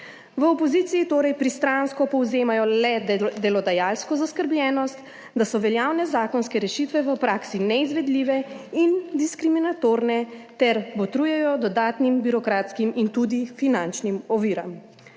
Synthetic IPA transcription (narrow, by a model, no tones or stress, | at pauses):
ʋəɔpɔziːt̪siːt̪oːɾɛjpɾist̪ɾanskɔpɔwzeːmajɔlɛd̪ɛlɔd̪ajalskɔzaskəɾblʲjɛːnɔst̪ | d̪asɔʋɛljaːwnɛzaːkɔnskɛɾɛʃit̪ʋɛʋəpɾaːksinɛizʋɛd̪liʋɛind̪iskɾiminat̪oːɾnɛt̪ɛɾbɔt̪ɾuːjɛjɔd̪ɔd̪aːt̪nimbiɾɔkɾaːt̪skimint̪ud̪ifinant͡ʃnimɔʋiːɾam